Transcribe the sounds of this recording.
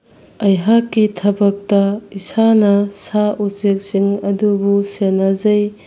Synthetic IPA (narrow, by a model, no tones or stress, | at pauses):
ɐjɦakːitʰɐbɐk̚tɐisanɐsausek̚siŋɐdubusenazɐj